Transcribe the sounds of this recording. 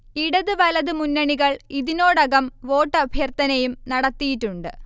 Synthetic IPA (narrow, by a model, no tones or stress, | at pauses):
iɽɐðɨʋɐlɐðɨmunːɐɳiɣɐɭiðino̞ːɽɐɣɐmʋo̞ːʈːɐbʱjɐrt̪ɐnɐjumnɐɽɐt̪ːijitːuɳɖɨ